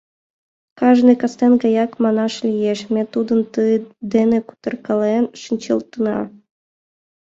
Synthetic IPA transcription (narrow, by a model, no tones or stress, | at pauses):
kɑʒnɨkɑst̪enɡɑjɑkmɑnɑʃlʲijeʃmʲet̪ud̪ə̆nt̪ɯd̪enĕku̥t̪ɤ̆rkɑlenʃinʲt͡ɕɤ̆lˠt̪ənɑ̰